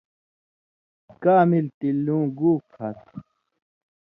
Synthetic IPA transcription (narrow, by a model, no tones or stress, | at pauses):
kaːmilt̪ilːũːɡuːkʰhɐt̪